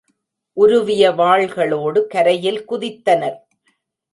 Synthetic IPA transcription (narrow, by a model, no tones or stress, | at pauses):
ʔʊɾʊʋɪjɐʋaːɭɣɐɭoːɽɯkɐɾɐjɪlkʊðɪt̪ːɐnɐɾ